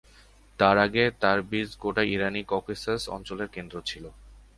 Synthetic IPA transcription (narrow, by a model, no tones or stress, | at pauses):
t̪aɾaɡet̪aɾbisɡoʈaiɾanikɔkisasɔ̰nt͡ɕoleɾkend̪ɾot͡ɕʰilo